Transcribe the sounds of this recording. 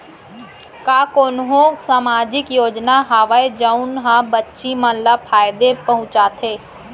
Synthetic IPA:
kaːkoːnɦõsaːmaːd͡ʒɪkjoːd͡ʒnaɦaːʋaed͡ʒəʊnɦãbətːʃimə̃llapʰaːjd̪epəɦʊ̃t͡ʃaːt̪ʰeː

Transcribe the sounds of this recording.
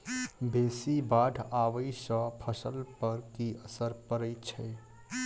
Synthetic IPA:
beːsibaːɖʱaːʋəisə̃pʰəsəlpəɾkiəsəɾpəɾəit͡ʃʰɛː

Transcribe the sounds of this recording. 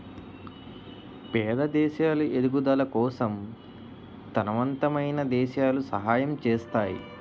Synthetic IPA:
pɛːd̪ɐd̪ɛːʃaːluʔed̪uɡud̪ɐlɐkɔːsɐm | t̪ɐnɐʋɐnt̪ɐmɐjnɐd̪ɛːʃaːlusɐ̰ɦaːjɐmt͡ʃeːst̪aːjḭ

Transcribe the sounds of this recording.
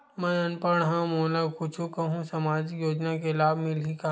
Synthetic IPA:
mɛ̃ɐnpəɽ̃ɦãmoːlakʰʊt͡ʃʰukɐɦũsɐmaːd͡ʒjoːd͡ʒnakelaːbmɪlɦika

